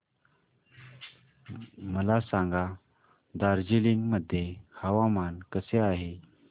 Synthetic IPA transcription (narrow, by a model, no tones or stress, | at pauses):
məlasãŋɡa | d̪aɾd͡ʑiliːnməd̪ʱːjehəʋamankəseaɦe